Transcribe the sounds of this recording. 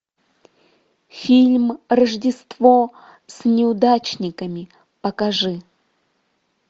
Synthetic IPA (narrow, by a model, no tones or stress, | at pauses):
fʲilʲmrɐʐdʲɪst̪vo | sʲnʲɪʊd̪at͡ɕnʲɪkəmʲɪ | pəkaʐɨ